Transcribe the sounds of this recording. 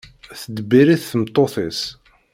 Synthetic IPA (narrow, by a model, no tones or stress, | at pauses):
θəd̪biɾiθθəmt̪ˤːoθɪs